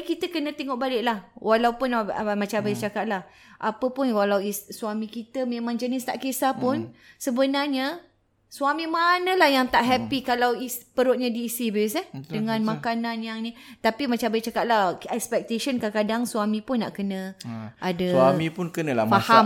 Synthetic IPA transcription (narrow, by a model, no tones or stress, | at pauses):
kit̪əkənə̃t̪eŋɔʔbalɪʔlahwalawpʊnmat͡ʃabajat͡ʃakat̪̚lah | ʔapəpʊnwalawissuamĩkit̪əmẽmãŋd͡ʒənɪst̪a̰ʔkesapʊnsəbənarɲa | suamĩmanə̃lahjaŋt̪aʔɦɛpikalawispəɾʊt̪̚ɲadiːsibəsadəŋãnmakanãnjaŋnit̪apimat͡ʃambajit͡ʃakat̪̚lahɛkspɛk̚t̪eʃənkakadaŋsuamĩpʊnːa̰ʔkənə̃ʔadəsamipʊnkənəlafaha